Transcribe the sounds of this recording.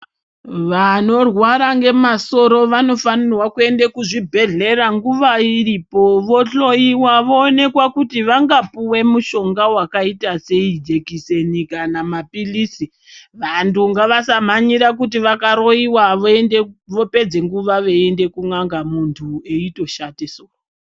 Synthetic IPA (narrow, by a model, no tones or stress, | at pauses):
ʋano̞rwaɾaŋɡe̞maso̞ɾo̞ʋano̞fanirwakue̞ndekuʐibʱe̞ɮe̞ɾaŋɡuʋairiːpo̞ʋo̞ɬo̞iwaʋo̞ːne̞kwakutiʋaŋɡapuwe̞muʃo̞ŋɡawakaitase̞id͡ʒe̞kise̞nikanamapilisi | ʋantuŋɡaʋasam̤aɲiɾak̬ut̬iʋakaɾo̞iwaʋoeneʋo̞pe̞d͡ze̞ŋɡuʋaʋeende̞kuŋaŋɡamuntʰue̞ito̞ʃatesok